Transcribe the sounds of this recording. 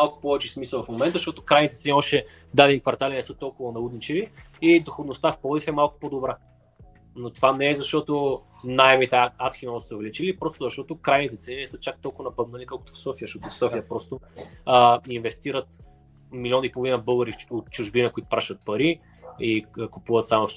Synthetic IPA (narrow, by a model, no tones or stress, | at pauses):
malˠkʊ̥pɔvɛt͡ʃɛsmislˠvɐfmomɛnt̪əʃt̪ɔt̪okɾajnit̪ɛt̪sɛniɔʃt̪ɛ | vd̪ad̪ɛnkvɐɾt̪alʲɛnɛsɤt̪ɔlˠkʊvɐnɐud̪nit͡ʃɛviː | d̪oxod̪nost̪afpɔlifɛmalˠkʊ̥pod̪obɾa | not̪ovanɛɛzɐʃt̪ɔt̪o | najɛmit̪ɛat̪xʲimɔsɛovɛlʲit͡ʃilipɾɔst̪ʊzɐʃt̪ɔt̪ʊkɾajnit̪ɛt̪sɛninɛsɤt͡ʃak̚t̪ɔlˠkʊvɐnɐpɐd̪mɛnikolˠko̥t̪o̥fsɔfiəʃt̪ɔt̪ofsɔfijəpɾɔst̪oəinvɛst̪iɾət̪ | miliɔnipolˠvinəbɤlˠɡəɾiot̪̚t͡ʃʊʒbinəkoʊit̪ʊ̥pɾaʃɐt̪̚pɐɾi | ikupuvət̪samof